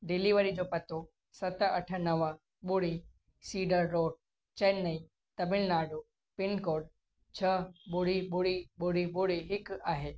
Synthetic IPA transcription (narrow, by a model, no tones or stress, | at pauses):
ɖɪliʋəɾid͡ʑopɐt̪o | sɐt̪əəʈʰənəʋə | ɓoɽi | siːɖəɾːoːɖ̚ | t͡ʃenːəi | t̪ɐmɪlnaːɖo | pɪnkoːɖ | t͡ʃʰəɓʊɽibʊɽiɓoɽiboɽiɦɪkaːɦeː